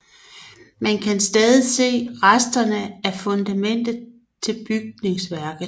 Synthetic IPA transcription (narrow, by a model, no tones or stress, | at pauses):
mænkʰænsd̥ɛːðˠise̝̰ːʁasd̥ɐnəæɐfɔ̽nd̥æmen̰d̥ð̩ˠ | t͡sʰe̝lb̥yɡ̥̚ne̝ŋsʋæɐɡ̥ð̩ˠ